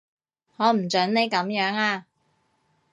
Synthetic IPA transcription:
ŋɔː˨˧m̩˨˩t͡ʃœ˨˥nne˨˧jkɐ˨˥mjœː˨˥ŋaː˧

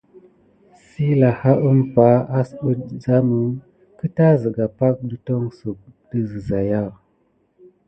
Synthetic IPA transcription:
si˦la˨ha˦ʔə˦mpa˦a˦sɓə˦za˦mu˨˦ | kə˦ta˦zə˨ɡa˨pa˦k̚ɗə˦to˦ŋsu˨k̚də˦zə˨za˨ja˦˨

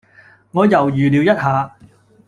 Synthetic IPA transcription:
ŋɔː˨˧jɐ˨˩wjyː˨liː˨˧wjɐ˥t̚haː˨˧

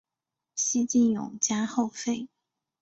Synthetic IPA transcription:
ɕi˥t͡ɕi˥˩njʊ̰˨˩ŋt͡ɕja˥xo˥˧ʊfe˥˩ɪ

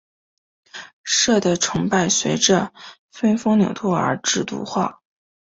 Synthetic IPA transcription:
ʂɤ˥˩d̪ə˩ʈ͡ʂʰɤ˧˥ŋpa˥˩ɪɕɥɛ˧˥ɪʈ͡ʂə˧ | fə˥nfɤ˥ŋnjɑ˨˩ʊt̪ʰwɔ˥˩ə̰˞˧˥ʈ͡ʂɻ̩˥˩t̪ṵ˧˥xwa˥˩

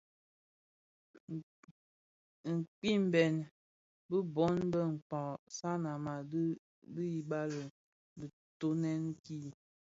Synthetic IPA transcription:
ŋ̩˨k͡pi˦m̩˨bɛ˨n | bə˦bɔ˨˦n˦bə˦ŋ̩˨k͡pɔ˨sa˦na˨ma˨˦ | bə˦i˨ba˦lə˨ | bə˨ | to˦nɛ˦n˦ki˦˨

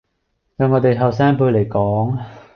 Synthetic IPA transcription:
jɐ˨˧ŋɔː˨˧t̪e˨jɦɐ˨˩ws̬aː˥ŋpuː˧˥le˨˩jkɔː˨˥ŋ

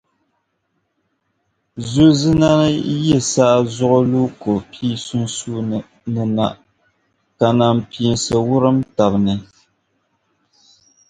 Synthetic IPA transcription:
zu˦zɨ˦na˦nɨ˦jɛ˦˨sa˦ʔzʊ˦ʔʊ˦luː˦ko˨pʰiː˦su˦nsuː˦˨ | nɨ˨na̰˨ʔ | ka˨na˨mpi˨nsɨ˨wʊ˦ɾɨ˦mta˨bnɨ˨

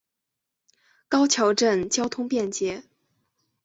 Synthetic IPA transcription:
kɑ˥ʊt͡ɕʰjɑ˧˥ʊʈ͡ʂə˥˩nt͡ɕjɑ˥ʊt̪ʰʊ˥ŋpjɛ˥˩nt͡ɕjɛ˧˥

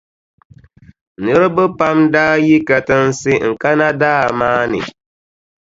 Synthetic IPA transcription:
nɨ˦ɾɨ˦bɨ˦pa˦mdaː˦ji˦ka˨tɨ˦n̩˦sɪ˦ŋ̩˨ka˦na˦daː˦˨maː˦nɨ̰˨

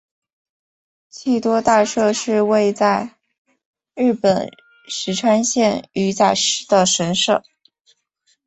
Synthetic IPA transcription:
t͡ɕʰi˥˩t̪wɔ˥t̪a˥˧ʂɤ˥˧ʂɻ̩˥˧we˥˧ɪt͡sa˥˧ɪ | ɻɻ̩˥˩pə˨˩n | ʂɻ̩˧˥ʈ͡ʂʰwa˥nɕjɛ˥˩ny˧˥t͡sa˥˩ɪʂɻ̩˧˥d̪ə˧ʂə˧˥nʂɤ˥˩

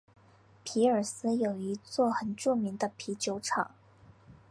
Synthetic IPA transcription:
pʰi˧˥ə˞˨˩sɹ̩˥jo˨˩ʊi˧˥t͡swɔ˥˩xə˨˩nʈ͡ʂu˥˩mi˧˥ŋd̪ə˧pʰi˧˥t͡ɕjo˧˥ʊʈ͡ʂʰɑ˨˩˦ŋ

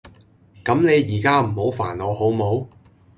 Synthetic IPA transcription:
kɐ˨˥mne˨˧jjiː˨˩kaː˥m̩˨˩ho˨˥wfaː˨˩nɔː˨˧ho˨˥wmo˨˥w

